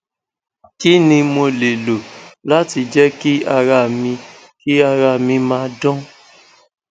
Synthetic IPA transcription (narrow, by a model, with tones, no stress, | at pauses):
ki˦nĩ˧mo˧le˨lo˨la˦ti˧d͡ʒɛ˦ki˦a˧ɾa˧˨mĩ˧ | ki˦a˧ɾa˧˨mĩ˧mãː˧˦˧dɔ̃˦